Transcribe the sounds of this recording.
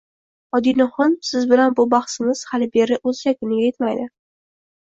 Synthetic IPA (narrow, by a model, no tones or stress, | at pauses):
ɒd̪inɪhɒnsɪzbɪlanbʊbaχsɪmɪz̥halɪbe̞ɾɪʔɵzjakʲʰɪnɪɡʲajet̪majd̪ɪ